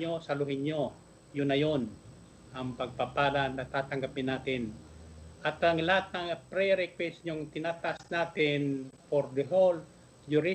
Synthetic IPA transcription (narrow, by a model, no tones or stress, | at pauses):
osɐlʊɦɪɲo | jʊnːɐjon | ʔɐŋpɐɡ̚papaːlanːɐt̪aːt̪ɐŋɡapɪnːaːt̪ɪnʔɐt̪ɐŋlahat̪̚nɐŋpɾɛɾɛkwɛsɲʊŋt̪ɪnaːt̪aʔasnaːt̪ɪnpoɾd̪ɛɦol | d͡ʒʊɾɪ